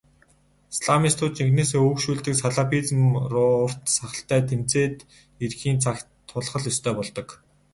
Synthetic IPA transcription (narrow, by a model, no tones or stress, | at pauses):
sɮamist̪ʰʊːt͡ɕixneːseːɵwkʃuːɮt̪ɘ̆ksaɮapʰit͡sə̆mrʊːr̥t̪saχə̆ɬt̪æːt̪ʰem̥t͡seːt̪ | erxiːnt͡sʰak | t̪ʰːʊɮχə̆ɮɵst̪ʰœːpɔɮt̪ɞ̆k